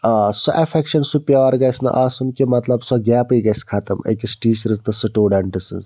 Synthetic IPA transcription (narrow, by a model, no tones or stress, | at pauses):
ɐsɔʔɛfɛkʃɐnsupʲjɐʋɐɾɡɐsnɐ̰ʔaːsunkʲimɐt̪lɐbsɔɡʲaːpiɡɐsʲkʰɐt̪ɐmɐ̰kʲisʈiːt͡ʃɾɨst̪ɐsɨʈoːɖɐɳʈɨsɨ̰z